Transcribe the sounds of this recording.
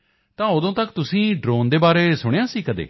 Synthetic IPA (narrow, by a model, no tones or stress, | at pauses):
t̪ãːʊd̪õːt̪əkt̪ʊsĩːɖɾoːnd̪eːbaːɾeːsʊɽ̃ejãːsiːkəd̪ḛː